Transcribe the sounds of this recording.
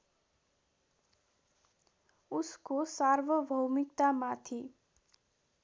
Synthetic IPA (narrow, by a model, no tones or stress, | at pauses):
uskosarʋʌbʱʌwmikt̪amat̪ʰi